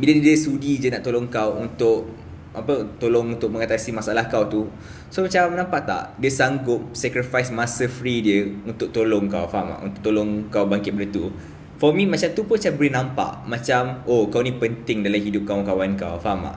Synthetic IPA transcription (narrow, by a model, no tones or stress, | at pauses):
bilədiəsudid͡ʒənaʔt̪olɔŋkawunt̪ʊʔ | ʔapət̪olɔŋunt̪ʊk̚mə̃ŋat̪asimasaʔalahkawt̪u | somat͡ʃamnãmpaʔt̪a̰ʔdiəsaŋɡʊp̚sɛkɾifajsmasəfɾidiəunt̪ʊk̚t̪olɔŋkawfama̰ʔṵnt̪ʊk̚t̪olɔŋkawbaŋkɪt̪̚bəɾit̪u | fɔmĩmat͡ʃamt̪upʊnt͡ʃabəɾinãmpa̰ʔmat͡ʃamokawnĩpənt̪ɪŋdalamɦidʊp̚kawŋkawanka̰wfama̰ʔ